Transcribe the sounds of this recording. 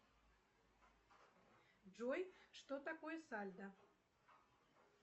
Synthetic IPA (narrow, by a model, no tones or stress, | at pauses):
ʐojʂt̪ot̪akojəsalʲd̪ə